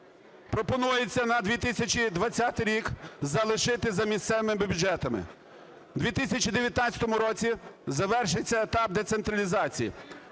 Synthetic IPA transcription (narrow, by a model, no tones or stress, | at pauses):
pɾɔpɔnujet͡sʲːɐnɐd̪ʋʲit̪ɪsʲɐt͡ʃʲid̪ʋɐt͡sʲːat̪ɪjɾʲikzɐlˠɪʃɪt̪ɪzɐmʲist̪sɛʋemɪbʲbʲud͡ʒɛt̪ɐmɪ̰ | d̪ʲʋʲit̪ɪsʲɐt͡ʃʲid̪eʋʲjɐt̪nat͡sʲɐ̥t̪ɔmʊɾɔt͡sʲizɐʋɛrʃɪt͡sʲːɐet̪ɑb̚d̪et̪sent̪ɾɐlʲizɑt͡sʲijḭ